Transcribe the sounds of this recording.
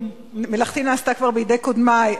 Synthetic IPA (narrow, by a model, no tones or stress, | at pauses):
melaχt̪inaːst̪akvaʁbejid̪ejkod̪ma